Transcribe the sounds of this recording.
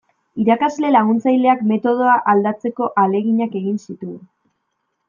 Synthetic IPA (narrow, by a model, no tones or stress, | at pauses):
iɾakazle̞laɣ̞unt͡sajle̞akme̞t̪o̞ð̞o̞aʔald̪at͡se̞ko̞ʔale̞ɣiɲake̞ɣinsit̪u